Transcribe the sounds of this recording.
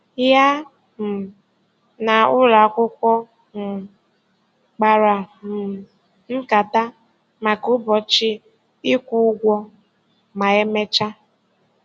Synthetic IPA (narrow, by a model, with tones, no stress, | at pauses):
ja˦ | m̩˨ | na˨ʊ˦la˨kʷʊ˦kʷɔ˦ | ŋ̩˨ | k͡pa˨ɾa˨m̩˨ | ŋ̩˦ka˨ta˦ | ma˨kʊ˦bɔ˨t͡ʃɪ˦ | i˦kʷu˦ɡʷɔ˦ | ma˨e˦me˦t͡ʃa˦